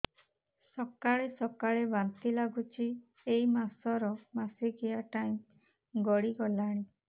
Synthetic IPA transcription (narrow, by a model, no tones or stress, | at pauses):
sɔkaɭesɔkaɭebant̪ilaɡut͡ʃʰi | eimasɔɾɔmasiɡiaʈaj̃m | ɡɔɽiɡɔlaɽ̃i